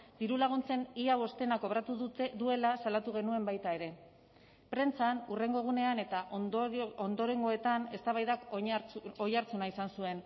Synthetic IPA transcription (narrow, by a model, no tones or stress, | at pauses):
d̪̥iɾulaɣ̞unt͡se̞niaβo̞st̪e̞nako̞βɾat̪uðue̞lasalat̪uɣ̞e̞nue̞mbajt̪ae̞ɾe̞ | pɾe̞nt͡sanure̞ŋɡo̞ɣ̞une̞ane̞t̪aʔond̪o̞ɾe̞ŋɡo̞e̞t̪ane̞st̪aβajðak | ojaɾt͡sunaisansue̞n